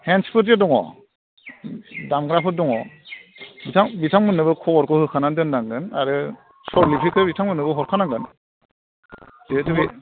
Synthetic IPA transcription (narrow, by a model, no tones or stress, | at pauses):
henspʰuɾt̬jɯdɔŋɔ̰ | damɡɾapʰɯdɔŋɔ | bitʰaŋbitʰaŋmɯnɯbɯkʰɔɔɾkʰɔhɯkʰanandɯnːaŋɡɯna̰ɾɯ | sɔɾlipʰikʰɯbitʰaŋmɯnɯbɯɦɔɾkʰanaŋɡɯn | detɯbi